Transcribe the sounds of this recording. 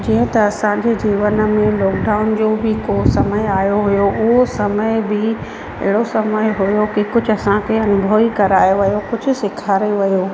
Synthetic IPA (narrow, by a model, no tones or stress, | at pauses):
d͡ʑĩːə̃t̪ɐɐsãɲd͡ʑeːd͡ʑiːʋənə̆mẽlɔːkɖaːʊnd͡ʑoːbɪkosɐməɪaːjoɦʊjoʊɦosɐməɪbɪ | ɐ̰ɦɪɽosɐməjɦʊjokikʊd͡ʑʱʊɐsãkʰeɐnʊbʱoːikɐɾaːjoʋɐjokʊd͡ʑʱʊ̆sɪkʰaːɾeʋɐjoː